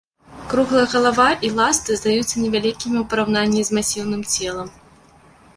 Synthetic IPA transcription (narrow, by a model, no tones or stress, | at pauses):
kɾuɣlˠɐjɐɣɐlˠavaʔilˠast̪ɨzd̪ajut̪sːɐnʲɛvʲalʲikʲimʲiwpɐɾawnanʲːizʲmasʲiwnɨmt͡sʲɛlˠɐm